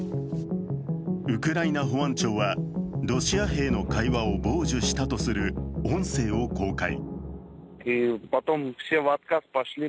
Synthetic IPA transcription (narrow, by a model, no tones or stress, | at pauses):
ɯ̟kɯ̟ɾainaɦo̞βãɲ̟t͡ɕo̞ːβaɾo̞ɕiaɦe̞ːno̞kaiβao̞bo̞ːʑɨɕi̥t̪at̪o̞sɨɾɯ̟õ̞ɰ̃se̞ːo̞ko̞ːkaḭ | ipat̪omfsʲeβat̪kaspaɕlʲi